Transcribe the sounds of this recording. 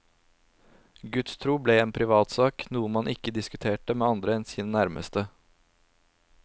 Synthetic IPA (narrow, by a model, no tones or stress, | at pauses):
ɡʉt̪st̪ʰɾuːbleːeːnpʰɾɪʋɑːt̪sɑːknuːəmɑnʔɪkəd̪ɪskʉt̪ʰeːʈəmeːɑnd̪ɾəɛnsiːnənæɾmʔə̰st̪ə